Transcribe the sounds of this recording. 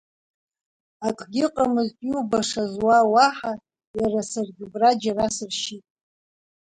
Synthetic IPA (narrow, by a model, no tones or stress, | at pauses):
akʼɡʲɪqʼamɨztʼjubaʂazwawaħa | jarasarɡʲɪbrad͡ʒarasɨrʃitʼ